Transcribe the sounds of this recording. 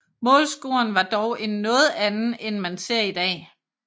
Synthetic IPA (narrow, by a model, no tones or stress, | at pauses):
mɔ̰̽ːlsɡ̥uɐnʋɑ̈d̥ɒʊʔenːɔ̽ːð̞̩ˠænn̩enmænse̝ɐ̰id̥ɛ̰ː